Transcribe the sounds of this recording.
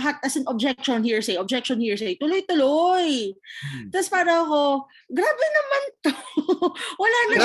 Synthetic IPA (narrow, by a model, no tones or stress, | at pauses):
ɦat̪̚ɐsɪnob̚d͡ʒɛk̚ʃonhiːɹsɛjʔob̚d͡ʒɛk̚ʃonhiːɹsejt̪ʊlojt̪ʊloj | t̪ɐspaːɾɐɐko̞ | ɡɾaːbɛnɐmant̪o | wɐlanɐ